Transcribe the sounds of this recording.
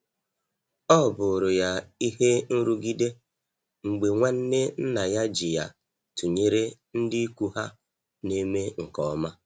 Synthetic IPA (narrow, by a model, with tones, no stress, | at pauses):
ɔ˦˨bʊ˨ɾʊ˨ja˦i˦ɦe˦n̩˦ɾu˦ɡi˦de˦ | ŋ͡m̩˨ɡ͡be˨ŋʷa˦n̩˦ne˦n̩˦na˨ja˦d͡ʒi˨ja̰˨ | tu˨ɲe˦ɾe˦ | n̩˦dɪ˦ku˦ha˦ | ne˦me˦ŋ̩˨kɔ˨ɔ˦ma˦